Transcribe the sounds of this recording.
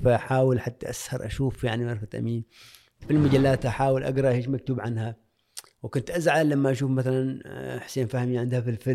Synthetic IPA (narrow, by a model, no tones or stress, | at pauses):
faʔħaːwɪlħat̪ːaʔashɑɾˤʔa̰ʃuːfjaʕniʕɑɾˤfat̪ʔa̰miːn | filmad͡ʒalːaːt̪ʔaħaːwɪlʔa̰ɡɾˤɑʔheːʃmak̚t̪uːbʕanha | wkʊnt̪ʔazʕalamːaʔaʃuːfmaθalanħʊ̥seːnfahmiʕɪnd̪hafilfɪ